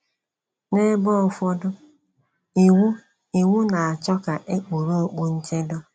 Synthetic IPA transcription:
ne˦bɔ˦ɔ˨fɔ˦dʊ˦˨ | u˦ | i˨ŋu˦na˨a˨t͡ʃɔ˦ka˨ʔe˦k͡po˨ɾo˦o˦k͡pu˦n̩˦t͡ʃe˦do˦

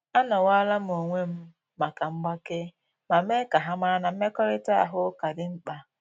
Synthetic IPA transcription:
a˦nɔ˨wa˦la˦m̩˦o˨ŋʷe˦m̩˦ | ma˨ka˨ŋ͡m̩˦ɡ͡ba˦kɪ˦ | ma˨m̩˦e˦ka˨ɦa˦ma˦ɾa˦na˨m̩˦me˦kɔ˦ɾɪ˦tʊ˦a̰˨ɦʊ˦ka˨dɪ˨ŋ͡m̩˦k͡pa˨

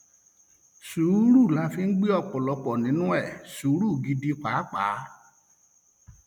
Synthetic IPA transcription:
su˨˦ɾu˦˨la˧fi˧n̩˦ɡ͡bi˦ɔ˦˧˨k͡pɔ˨lɔ˧k͡pɔ˨nĩ˨˦nũ˦ɛ˦˨su˨˦ɾu˦˨ɡi˧di˧k͡pa˨˦k͡pa̰ː˨˦

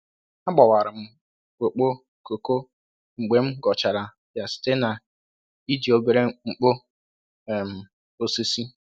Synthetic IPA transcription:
a˦ɡ͡bɔ˨wa˨ɾɪ˨m̩˦ | ko˨k͡po˦ | ko˨ko˦ | ŋ͡m̩˨ɡ͡be˨m̩˦ɡɔ˨t͡ʃa˨ɾa˨ | ja˨sɪ̥˨te˦na˨ | i˦di˨o˦be˨˦ɾe˦ŋ͡m̩˨k͡po˦ | ɛ˨m̩˨ | o˨se˦si˦

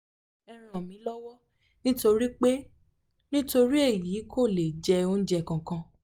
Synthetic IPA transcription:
ɛ˧ɾ̃ã˨mĩ˨˦lɔ˦wɔ˦ | nĩ˦to˧ɾi˦k͡pe˦ | nĩ˦to˧ɾi˦e˦˨jiː˨˦kʰo˦˨le˨d͡ʒɛ˧o˧n̩˦d͡ʒɛ˧˨kã˨kã˧

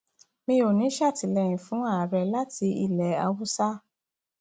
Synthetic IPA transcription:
mĩ˧˦o˨nĩ˨˦ʃa˦˨ti˨˦lɛ˧˨j̃ĩ˨fũ˨˦a˦˨ɾɛ˧la˦ti˧ḭ˦˨lɛ˨˦a˧wu˦sa˦

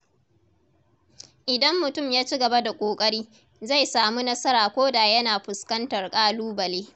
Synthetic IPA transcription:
ʔɪ˨dɐ˦mːʊ˨tʊ˦˨mjaː˦t͡ʃi˦ɡɐ˨ba˦da˨kʷʼoː˨kʼɐ˦ɽiː˦ | za˦˨jsaː˨mu˦nɐ˦sɐ˦ɾaː˨kʷoː˦da˨jɐ˦naː˨ɸʊ˨skɐ˦ntɐ˨rkʼaː˦luː˦bɐ˨leː˦

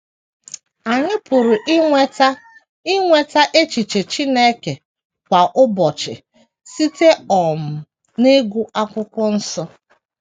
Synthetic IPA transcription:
a˨ɲɪ˦pʊ˨ɾʊ˨ʔt | i˦ŋʷe˨ta˦ʔe˦t͡ʃi˨t͡ʃe˨t͡ʃi˦ne˦ke˨ | kʷa˨ʔʊ˦bɔ˨t͡ʃɪ̰˨ | si˦te˦ɔ˨m̩˨ | ne˦ɡʷu˦a˦kʷʊ˦kʷɔ˦n̩˦sɔ˦

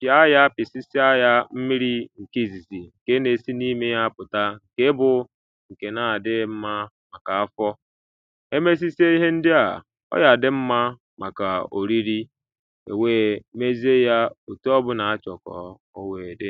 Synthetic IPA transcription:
ja˦ja˦pɪ˨si˦si˦a˦ja˦m̩˦mi˦ɾi˦ŋ̩˨ki˦˨zi˨zi˨ŋ̩˨ke˦ne˨si˦ni˦me˦ja˦pʊ˨ta˦ŋ̩˨ke˦bʊ˨ | ŋ̩˨ke˨na˨a˨dɪ˦m̩˦ma˦ | ma˨ka˨a˦fɔ˦ | e˦me˦s̬i˦si˦e˦i˦ɦe˦n̩˦dɪ˦a̰˨ | ɔ̰˦ja˨dɪ˦m̩˦ma˦ | ma˨ka˨o̰˨ɾi˦ɾi˦ | ḛ˨weː˦˨me˦zi˦e˦ja˦o˨tu˦ɔ˦bʊ˦na˨a˦t͡ʃɔ˨kɔ̰˨ | o˦we˨de˦

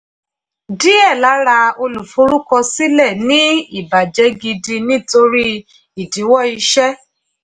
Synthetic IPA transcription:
di˦ɛ˦˨la˨˦ɾa˧o˧lu˨fu˨˦ɾu˦kɔ˧si˦lɛ˦˨nĩ˦i˦˨ba˨d͡ʒɛ˨˦ɡi˧di˧nĩ˦to˧ɾi˦ | i˨di˨˦wɔ˦˨i˧ʃɛ˦

